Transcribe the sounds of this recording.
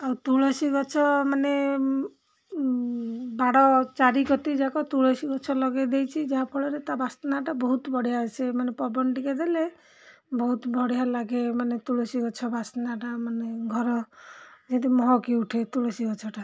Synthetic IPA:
awt̪uɭɔsiɡɔt͡ʃʰɔmane | baɽɔt͡ʃaɾikɔt̪id͡ʒakɔt̪uɭɔsiɡɔt͡ʃʰɔlɔɡed̪ejt͡ʃʰid͡ʒaɦapʰɔɭɔɾet̪abasnaʈabɔɦut̪bɔɽijaɔt͡ʃʰemanepɔbɔnʈiked̪ele | bɔɦut̪bʱɔɽijalaɡemanet̪uɭɔsiɡɔt͡ʃʰɔbʱasnaʈamaneɡʱɔɾɔd͡ʒed̪imɔɦɔkiuʈʰet̪uɽɔsiɡɔt͡ʃʰɔʈa

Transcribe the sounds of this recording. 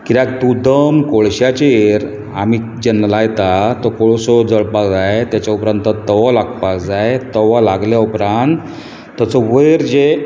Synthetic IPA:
kiɾak̚t̪ud̪əmkoɭɕjat͡ɕeɾ | a̰miːd͡ʑɛnːalajt̪at̪ɔkoɭsɔd͡zəɭpakd͡zajt̪jat͡ɕjaupɾãnt̪ət̪əʋalaɡ̚pakd͡zajt̪əʋalaɡljaupɾant̪ː | ət͡sɔʋəjɾd͡ʑe

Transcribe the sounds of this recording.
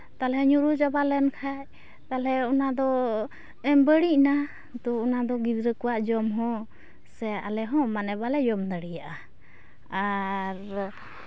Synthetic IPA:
t̪alɛɲuɾud͡ʒabalɛnkʰaj | t̪alɛɔnad̪ɔ | ɛmbəɽiʔna | t̪ɔːnad̪ɔɡid̪ɾəkuwaʔd͡ʒɔmɦɔ̃ | sɛʔa̰lɛɦɔ̃manɛbalɛjɔmd̪əɽijaʔa | aɾ

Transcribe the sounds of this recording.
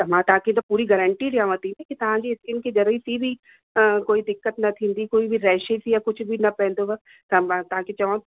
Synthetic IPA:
t̪ɐm̤ãt̪aːkẽt̪opuːɾiɡɐɾəɳʈiɾɪjãːʋət̪inẽkit̪ɐʋ̤ãd͡ʒiɪsɪnked͡ʒɐɾɪsibʱi | əkoːid̪ɪkːət̪nɐt̪ʰĩːnd̪ikoːibʱiɾɛːʃesijakʊt͡ʃʰbʱinɐpɛ̃ɦnd̪oʋɐ | t̪ɐat̪aːket͡ʃɐʋã

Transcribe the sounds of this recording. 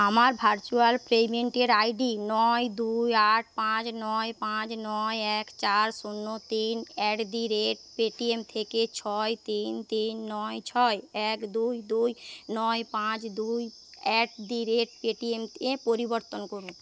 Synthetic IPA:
amaɾbʱaɾt͡ʃualpɾemeɳʈeɖaiɖinɔjd̪ujaʈ̚ʰpãt͡ʃnɔjpãt͡ʃnɔjekt͡ʃaɾsunːot̪inɛʈd̪iɾeʈpeʈiemt̪ʰeket͡ʃʰɔjt̪int̪inːɔjt͡ʃʰɔjekd̪ujd̪ujnɔjpãt͡ʃd̪uj | ɛʈd̪iɾeʈpeʈiemepoɾibəɾt̪ɔnkɔɾũ

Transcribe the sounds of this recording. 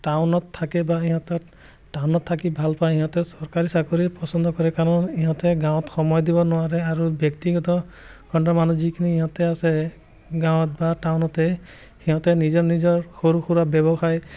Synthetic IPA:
ʈawnɔt̪ʰːakebaĩɦɔ̃t̪ɔ | ʈawnɔt̪ʰːakibʱalpajiɦɔ̃t̪ɛsɔɾkaɾisakoɾipɔsɔnd̪ʱɔkɔɾɛkaɾɔniɦɔ̃t̪ɛɡãw̃ɔt̪xɔmɔjd̪ibɔnʊwaɾeaɾubjɔkt̪iɡɔt̪ɔ | kʰɔɳʈamanud͡ʒikʰiniiɦɔ̃t̪ɛasɛ | ɡãw̃t̪̚baʈawnɔt̪e | hiɦɔ̃t̪ɛnid͡ʒɔnid͡ʒɔɹxoɾuxuɾabjɔbɔxaj

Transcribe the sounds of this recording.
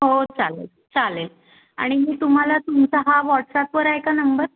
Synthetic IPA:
ɦot͡salḛl | t͡salel | a̰ɽ̃imiːt̪um̤alat̪umt͡saɦaʋɔʈsapʋəɾajkanəmbəɾ

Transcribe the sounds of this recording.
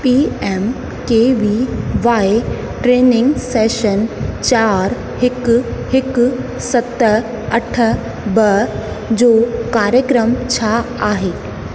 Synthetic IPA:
piːeːm | keːʋiʋaːe | ʈɾeːnɪ̃ŋɡseːʃənt͡ɕaːɾ | hɪkhɪk | sɐt̪ə | ɐʈʰə | bɐ | d͡ʑoːkaːɾjəkɾəmt͡ɕʰa | aːɦeː

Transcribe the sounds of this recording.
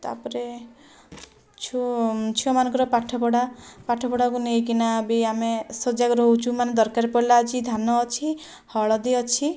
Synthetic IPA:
t̪a̰pɔɾe | t͡ʃʰut͡ʃʰiɔmanɔ̃ŋkɔɾɔpaʈʰɔpɔɽapaʈʰɔpɔɽakunejkinabiamesod͡ʒakɔɾɔɦut͡ʃumaned̪ɔɾkaɾepɔɽilaːd͡ʒid̪ʱanɔːt͡ʃʰi | hɔɭɔd̪iɔt͡ʃʰi

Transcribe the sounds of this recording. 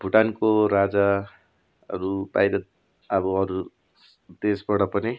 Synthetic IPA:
bʱuʈankoɾad͡za | ʌ̰ɾuba̰jɾʌt̪ | ʌbʌʌɾu | d̪esbʌɽʌpʌni

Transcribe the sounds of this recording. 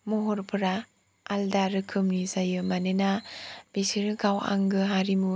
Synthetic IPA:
mɔɦɔɾpʰɯɾaː | ldaɾɯkʰɯmnizajɯmanenab̥esiɾɯɡawa̰ŋɡɯɦaɾimu

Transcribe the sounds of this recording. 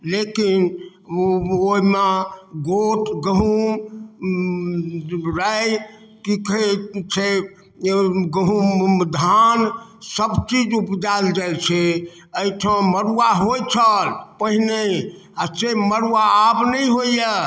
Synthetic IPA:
lekin | oimeɡot̪ɡəɦum | ɾaj | kiket͡ʃʰe | ɡəɦud̪ʱansəbt͡ʃid͡ʒupd͡ʒald͡ʒajt͡ʃʰɛ | əjʈʰə̃məɾuaɦojt͡ʃʰəlpəɦine | aseməɾaːbnəjɦoijə

